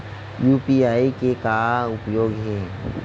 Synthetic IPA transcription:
juːpiaːikekaʊpjoːɡɦɛ̃ː

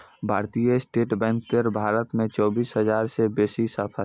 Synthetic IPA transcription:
bʱaɾt̪ijəsʈeːʈbɛ̃ŋk̚t̪eɾbʱaɾət̪mẽt͡ʃɔːbisɦəd͡ʒaɾsebesisəpʰə

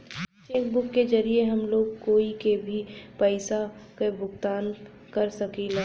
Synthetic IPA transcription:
t͡ʃeːkbʊkːed͡ʒɐɾieɦɐmloːɡkoːikebʱipəɪsakebʱʊɡt̪aːn | kɐɾsɐkila

